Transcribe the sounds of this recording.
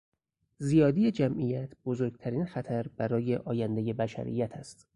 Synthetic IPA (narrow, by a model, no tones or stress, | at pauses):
zijɒːd̪ijed͡ʒæmʔijæt̪ʰbozoɾɡ̥̚t̪ʰæɾiːnxæt̪ʰæɾbæɾɒːje̞ʔɒːjænd̪eje̞bæʃæ̰ɾḭjæt̪ʰæst̪